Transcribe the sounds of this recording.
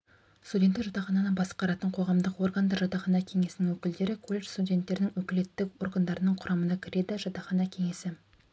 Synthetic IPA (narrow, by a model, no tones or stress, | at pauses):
st̪udʲet̪ːeɾʒɑt̪ɑχɑnɑnənbɑsə̥qɑɾɑt̪əɴqʰo̞ʁɑmd̪əqwo̞ɾɡənd̪ɑɾʒɑt̪ɑχɑnɑkʲʰe̞ŋe̞sɪnɪŋwɵkʲɪld̪e̞ɾɪkʰolʲːeʃst̪udʲe̞nt̪ːe̞ɾɪnɪŋwɵkʲɪle̞t̪ːɪkwo̞rɡənd̪ɑɾənəɴqʰʊɾʔɑmənɑkʲʰɪɾe̞d̪ɪʒɑt̪ɑχɑnɑkʲʰe̞ŋe̞sɪ